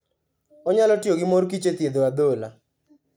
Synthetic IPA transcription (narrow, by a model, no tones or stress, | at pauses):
ɔɲalɔtijoɡɪmorkit͡ʃet̪jed̪oad̪ola̰